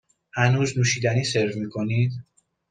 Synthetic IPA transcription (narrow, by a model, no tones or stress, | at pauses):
hænuːznuːʃiːd̪æniːseɾvmiːkʰo̞niːd̪